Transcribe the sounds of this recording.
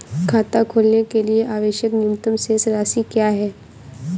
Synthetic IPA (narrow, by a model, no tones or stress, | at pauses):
kʰaːt̪akʰoːlnekelieʔaːʋeːʃjəknɪʊmt̪əmsesɾaːsikjaːɦɛː